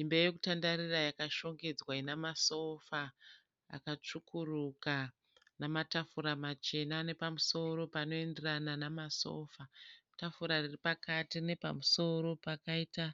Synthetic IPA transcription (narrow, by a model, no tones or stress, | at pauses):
imbejoku̥tandaɾirajakaʃo̞ŋɡe̞d͡zwainamaso̞fa | a̰kat͡ʂukuruka | namatafuɾamat͡ʃe̞nane̞pamuso̞ɾo̞pano̞e̞nderananamaso̞̰ːfatafuɾariripakatine̞pa̰muso̞ɾo̞pakaita